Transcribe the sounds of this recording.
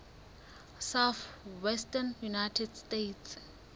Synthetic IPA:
saθwɛstʼanjunajtʰɛdstetʰs

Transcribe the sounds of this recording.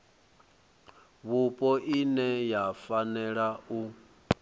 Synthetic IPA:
βupʼɔʔinɛjafanɛɺau

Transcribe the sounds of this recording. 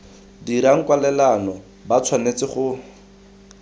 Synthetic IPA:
diɾaŋ̩kwalɛlanɔ | bat͡sʰwanet͡sɪχʊ

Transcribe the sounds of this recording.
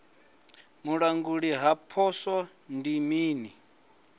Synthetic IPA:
muɺaŋɡuɺiɦapʰɔsɔ | ndimiːni

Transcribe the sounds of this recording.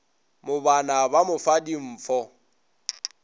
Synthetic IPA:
mʊbanabamʊfadim̩ːfɔ

